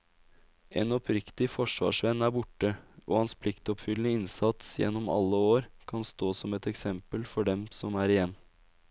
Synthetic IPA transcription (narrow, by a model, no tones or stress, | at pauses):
ʔeːnɔpɾɪkt̪ɪfɔʂʋɑ̰ːʂʋɛnæːɾbʊʈəʔo̰ːhɑnspʰlɪkt̪ɔpfʏlənəɪnsɑt̪sjɛ̰nːɔmɑ̰lːəoːɾkʰɑnst̪oːsɔmɛt̪ɛksɛmpəlfɔɖɛmsɔmæːɾɪjɛnː